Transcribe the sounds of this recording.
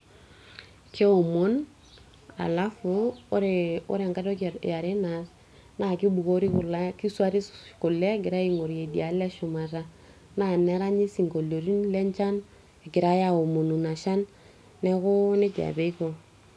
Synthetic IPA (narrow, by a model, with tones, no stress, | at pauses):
kʰe˦o˨mo˦n | a̰˨la˦fuː˦ɾe˨o̰˦ɾŋka˦do˦kja˨ɾe˦na˨˦s | na˦˨ki˦bu˨ko˦ɾi˦kʊ˨la˦ki˦su˦a˦ɾi˦ku˨le˦ɡɪ˨ɾa˦i˦ŋo˨ɾe˨di˨a˨le˦ʃu˨ma˨ta˦ | na˦˨ne˦ɾa˦ɲi˦si˨ŋko˨lo˨ɾi˦nle˦ɲt͡ʃa˦n | e˨ɡɪ˨ɾa˦ja˨o˨mo˨nu˨na˨ʃa˦nː | ɛ˦kʊ˦ne˦d͡ʒa̰˨be˦i˦ko˨